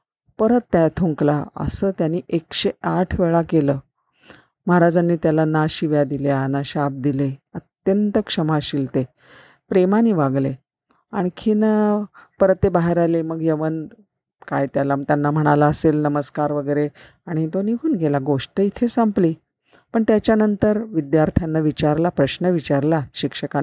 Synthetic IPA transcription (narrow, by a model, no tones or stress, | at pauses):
pəɾət̪ːaʈʰuŋklaə̰səːt̪janːiːʔekɕeaʈʰʋeɭakeləː | məɦɾad͡zanːiːt̪jalanaɕiʋjad̪iljaanaɕap̚d̪ileət̪jənt̪əkʂəmaɕilt̪e | pɾemaniːʋaɡle | aɽ̃ikʰinəpəɾət̪ebaɦeɾaleməɡjeʋən | kajt̪jalat̪janːam̤əɽ̃alaəselnəməskaɾʋəɡəjɾe | aɽ̃it̪oniɡʱuːnɡʱelaɡoʂʈəit̪ʰesampliː | pəɳt̪jat͡ɕjanənt̪əɾʋid̪jaɾt̪ʰjanːaʋit͡ɕaɾlapɾəɕnəʋit͡ɕaɾlaɕikʂəkan